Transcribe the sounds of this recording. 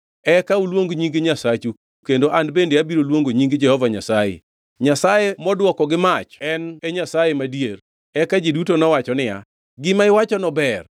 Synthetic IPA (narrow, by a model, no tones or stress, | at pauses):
ɛkaulwoŋɡɲiŋɡeɲasat͡ʃu | kendoʔandbendeabiɾolwoŋɡoɲiŋɡd͡ʒɛhɔvaɲasajḛ | ɲasajemɔdwɔkɔɡɪmat͡ʃɛneɲasajemadjer | ɛkad͡ʒedutonɔwat͡ʃɔnɪa̰ | ɡɪmaɪwat͡ʃɔnɔbɛr